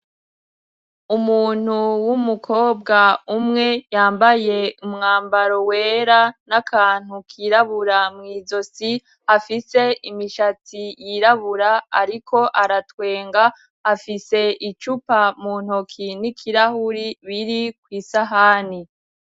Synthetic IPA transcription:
umuːn̥huwumukʰo̞ːbɡaumŋe̞jaːmbaje̞umŋaːmbaɾo̞weːɾanakʰaːn̥hukʰiɾaβuɾamŋiːzo̞si | hafise̞imiʃat͡sijiɾaβuɾaːɾikʰo̞ʔaɾatwe̞ːŋɡaː | fise̞ʔit͡ʃupamuːn̥okʰinikʰiɾahuɾiβiɾikwiːsaɦani

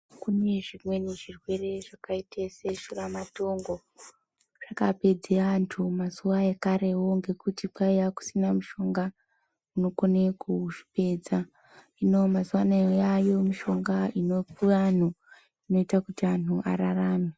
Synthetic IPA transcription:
kuneʐimwe̞neʐirwe̞re̞ʐakaitʰeseʃuramato̞ŋɡo̞ | ʐ̥akape̞d͡zeantʰumazuʋaekaɾe̞wo̞ŋɡe̞kutipaijaku̥sinamuʃo̞ŋɡa | uno̞konekuʐi̥pe̞ːd͡za | ino̞mazuwanaojajo̞miʃo̞ŋɡainopuan̤u | ino̞itakutian̤uʔaɾaraːme

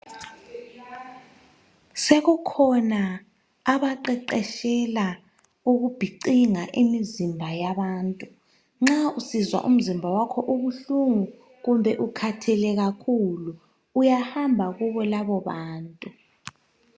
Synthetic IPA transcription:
seɣukʰɔnaː | βaǃɛǃɛʃɛla | uɣub̥ʱiǃiŋaʔimizimbʱajaβaːntʼu | ŋ͡ǁausizwa̰ʔṵm̩zimbʱawakʰɔʔuɣuɬuŋu | ɣumbʱɛʔukʰatʰɛlɛɣakʰuluː | jahambʱaɣuβɔlaβɔβaːntʼu

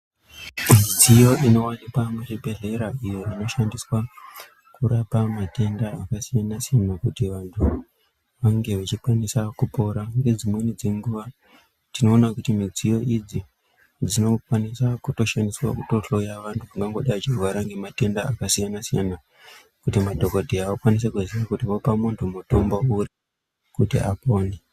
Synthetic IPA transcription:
mid͡zijo̞ʔino̞wanipamuribʱe̞ɮe̞ɾaijo̞ino̞ʃandiswa | kuɾapamate̞ndaːkasijanasijanakutiʋantʰu | ʋaŋɡe̞ʋat͡ʃikwanisakupo̞ɾaŋɡe̞d͡zimwenid͡ze̞ŋɡuʋa | tino̞ːnakutimid͡zijo̞ʔid͡zi | d͡zino̞kwanisakuto̞ʃaniswa̰kuto̞ɬo̞jaʋantʰuuŋɡaŋɡoɗait͡ʃiruʋaɾaŋɡe̞mate̞ndaːkasijanasijana | kutimadʱo̞kodʱiaokwanis̬akuzirakutiʋo̞pamuntʰumutombouɾi | kutḭʔapo̞ːne

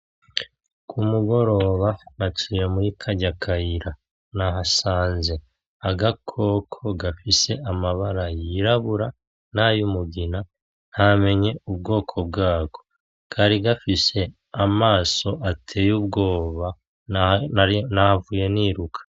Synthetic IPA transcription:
kʰumuɡo̞ɾo̞ːβanat͡ʃiːɾemuɾikʰaɟakʰajiɾa | naɦasaːnze̞ | aɡakʰo̞kʰo̞ɡafise̞amaβaɾajiɾaβuɾa | najumuɡina | nhame̞ɲe̞ubɡo̞ːkʰo̞b̚ɡaːɡ̥o̞ | kʰaɾiɡafise̞ | amaːso̞ʔatʰe̞ːjubɡo̞ːβa | nahavuje̞niːɾukʰḁ

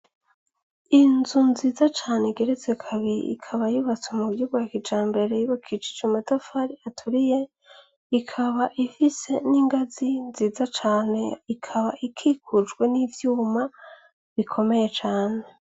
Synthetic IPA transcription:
inzunziːzat͡ʃaːneiɡe̞ɾezekʰaβiḭḭkʰaβajuβat͡swemubjuːɡujakit͡ʃaːmbe̞ɾe̞jiβakʰit͡ʃi̥t͡ʃumatofaɾiatʰuɾije | ikʰaβaʔifise̞niːŋɡazinziːzat͡ʃaːne̞ikʰaβaʔikʰikʰud͡ʒɡwe̞nivjuːma | βikʰo̞me̞je̞t͡ʃaːne̞

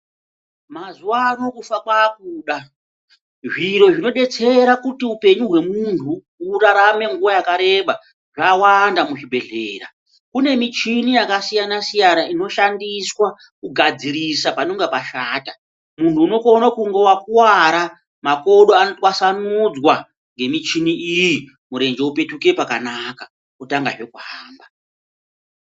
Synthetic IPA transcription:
mazuwaːno̞kufakwaːkuːɗa | ʐiɾo̞ʐino̞ɗe̞t͡se̞ɾakutiupe̞ɲuɦwe̞muntʰu | uraɾame̞ŋɡuwajakaɾe̞ɓa | ʐawandamuʐibʱe̞ɮḛːɾa̰ | kune̞mit͡ʃinijakasijanasijanaino̞ʃandiswa | kuɡʱad͡ziɾisapanoŋɡepaʃaːta | muntʰuːno̞konakuŋɡe̞wakuwaɾa | mako̞ɗoanotwasanud͡zwa | ŋɡe̞mit͡ʃiniiji | muɾe̞nd͡ʒeupe̞tuke̞pakanaka | kutaŋɡaʐe̞kuɦaːmba

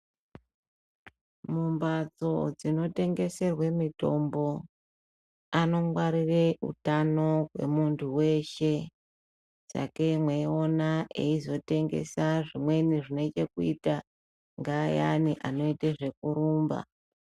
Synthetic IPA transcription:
mumbad͡zo̞̰d͡zino̞te̞ŋɡe̞se̞rwe̞mito̞mbo̞ | ano̞mwaɾire̞ʔṵtano̞kwe̞̰muntʰuwe̞ʃe̞ | t͡sa̰ke̞mweio̞naʔeizo̞te̞ŋɡe̞̰saʐimwe̞niʐine̞t͡ʃekuita | ŋɡaːja̰niʔano̞iteʐe̞kuɾuːmba̰

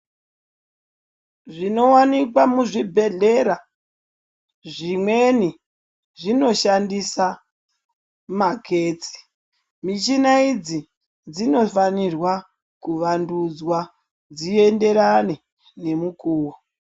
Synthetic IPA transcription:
ʐino̞wanik̬wamuʐibʱe̞ɮe̞ɾa | ʐimwe̞ni | ʐino̞ʃandisa | makʰe̞ːt͡si̥ | mit͡ʃinaid͡zi | d͡zino̞fanirwa | kuʋandud͡zwa | d͡ziende̞ɾane̞ | ne̞mukuːwo

